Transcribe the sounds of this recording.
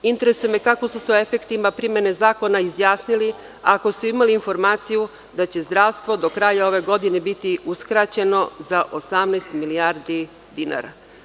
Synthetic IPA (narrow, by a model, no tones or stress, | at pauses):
int̪e̞ɾe̞sujemekako̞suseoe̞fe̞kt̪imapɾimje̞nezaːko̞naizjaːsnili | ako̞suimaliːnfo̞ɾmaːt̪siju | d̪at͡ɕe̞zd̪ɾaʋst̪ʋo̞d̪o̞kɾaːjao̞ʋe̞ɡo̞d̪ine̞bit̪iuskɾat͡ɕe̞no̞zaʔo̞samnɛjst̪miliaɾd̪i | d̪ina̰ːɾa̰